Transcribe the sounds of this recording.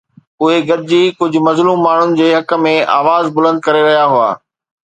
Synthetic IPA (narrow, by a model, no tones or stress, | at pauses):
ʊɦeɡɐd̪ʱɪd͡ʑiːkʊd͡ʑʱʊ̆mɐzluːmːaːɳ̤ʊnɪ̆d͡ʑeːɦɐkə̆mẽa̰ːʋaːzbʊlə̃nd̪̚kɐɾeɾɐɦijaɦʊa̰ː